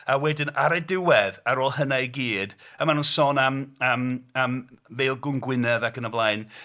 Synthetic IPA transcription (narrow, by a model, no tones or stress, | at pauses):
awɛdɪnaɾadɪwɛðaɾoːlˠhənajɡiːdəmanuːnsoːnaməːmamveːlˠɡʊnɡwɪnɛðakənəblˠaɨn